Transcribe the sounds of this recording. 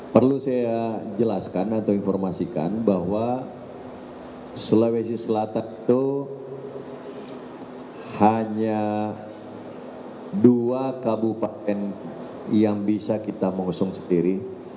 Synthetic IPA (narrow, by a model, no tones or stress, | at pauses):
pərlusajad͡ʒəlaskanat̪awinfɔrmasika̰nbaɦwa | sələwesisəlat̪anit̪u | haɲa | duakabupat̪ɛn | jaŋbisakit̪aməŋusʊŋsə̥ndiɾi